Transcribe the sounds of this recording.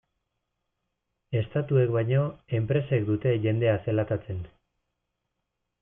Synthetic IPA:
e̞st̪at̪ue̞kβajɲo̞e̞mpɾe̞sekd̪ut̪e̞ʝe̞nd̪e̞ase̞lat̪at͡se̞n

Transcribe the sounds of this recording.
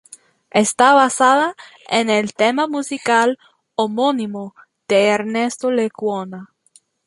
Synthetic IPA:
est̪aβasaða | enelt̪emamusikal | omonimo | ð̥eːɾnest̪olekwona

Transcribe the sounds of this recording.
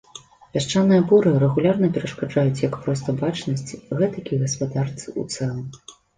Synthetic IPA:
pʲaʂt͡ʂanːɨjɐbɔɾɨrɛɣulʲarnɐpʲɛɾɐʂkad͡ʐajut͡sʲjɐkpɾɔs̬t̪ɐbat͡ʂnɐsʲt͡sʲɣɛt̪ɐkʲiɣɐspad̪art̪sɨʔṵt̪sɛlˠɐm

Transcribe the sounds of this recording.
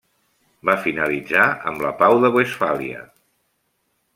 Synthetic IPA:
bafinəlid͡zaə̰mləpawðəβwesfalḭə̰

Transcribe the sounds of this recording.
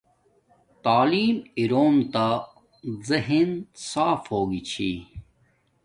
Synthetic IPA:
t̪aːliːmiɾoːmt̪a | ziɦinsaːfhoːɡit͡ɕʰḭ

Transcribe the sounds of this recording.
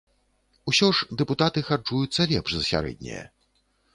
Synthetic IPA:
usʲɔʐd̪ɛput̪at̪ɨxad͡ʐujut̪sːɐlʲɛpʂzɐsʲa̰ɾɛ̰d̪̚ʲnʲɛ̰jɛ̰

